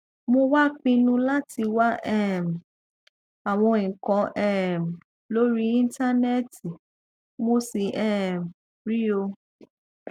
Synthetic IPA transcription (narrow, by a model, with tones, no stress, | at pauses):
mo˧wa˦k͡pĩ˧nũ˧la˦tʰi˧wa˦ʔɛ˦˨m̩˨ | a˨w̃ɔ̃˧ĩ˨kɔ̃˧˦ʔɛ˦˨m̩˨ | lo˦ɾi˦ĩ˦n˦ta˦nɛ˦ti˨ | mo˧si˨ʔɛ˦˨m˨ | ɾi˦o˧